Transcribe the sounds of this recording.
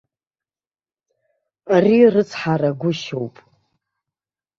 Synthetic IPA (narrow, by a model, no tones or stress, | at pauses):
arirɨt͡sʰħaɾaɡʷʊʃowpʼ